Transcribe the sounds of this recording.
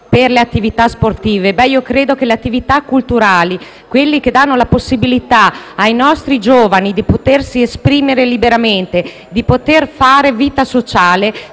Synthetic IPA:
perleat̪ːivit̪asport̪iːvebɛiokɾeːd̪ok̟eleat̪ːivit̪akːult̪uɾaːli | kwelːik̟ed̪anːolaposːibilit̪aːjnɔst̪ɾid͡ʒoːvanid̪ipot̪ersiespɾiːmeɾelibeɾament̪e | d̪ipot̪erfaːɾeviːt̪asot͡ʃaːle

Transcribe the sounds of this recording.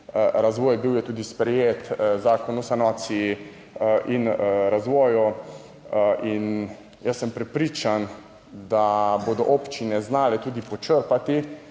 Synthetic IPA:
ɾazʋɔːjbiwjɛt̪uːd̪ispɾɛjet̪zaːkɔnusanɔːt̪siji | ʔinɾazʋɔːju | ʔin | jəsːəmpɾɛpɾiːt͡ʃan | d̪aboːd̪ɔʔopt͡ʃinɛznaːlɛt̪uːd̪ipɔt͡ʃəɾpat̪i

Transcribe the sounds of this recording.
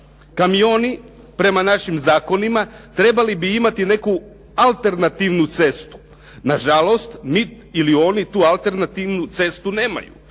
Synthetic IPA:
kamio̞ːni | pɾe̞manaʃimzaːko̞nimat̪ɾe̞balibiimat̪ine̞ku | alˠt̪e̞ɾnat̪iʋnut̪se̞st̪u̥ | naʒalo̞st̪mi | ilio̞ːnit̪uːalˠt̪e̞ɾnat̪iʋnut̪se̞st̪une̞ːma̰jṵ

